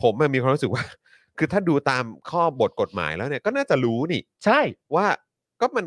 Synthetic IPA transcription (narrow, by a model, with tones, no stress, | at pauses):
pʰo˩˦mja˨˩mi˧kʰwa˧ɾu˦˥sɯ˨˩k̚waː˥˩ | kʰɯː˧t̪ʰaː˥˩duː˧t̪aː˧mkʰɔː˥˩bo˨˩t̪̚ko˨˩t̪̚ma̰ː˩˦jlɛː˦˥wni˥˩ɐkɔː˥˩naː˥˩t͡ɕa˨˩ɾuː˦˥niː˦˥˩t͡ɕʰa˥˩jwaː˥˩ | kɔː˥˩ma˧n